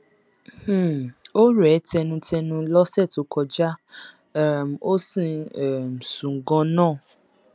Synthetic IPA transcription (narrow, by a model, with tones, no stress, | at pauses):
h̩˦˨o˦ɾɛ˨˦tɛ˧nũ˧tɛ˧nũ˧lɔ˦sɛ˦˨to˨˦kʰɔ˧d͡ʒa˦˨ | m˨o˦sĩ˦˧ɛ˨m̩˨sũ˨ŋ˨ɡɔ̃˧˦nãː˦˨